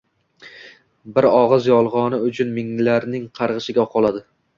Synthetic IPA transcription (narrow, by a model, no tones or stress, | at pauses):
bɪɾɒʁɨzjɒlˠʁɒnɪʊt͡ʃʰʊnmɪŋlaɾnɪŋqʰɑɾʁɨʃɪɡʲaqʰɒlˠad̪ɪ